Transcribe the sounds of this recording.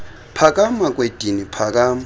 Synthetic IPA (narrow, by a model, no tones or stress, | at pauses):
pʰakʼamakʼwed̥ʱinipʰakʼaːma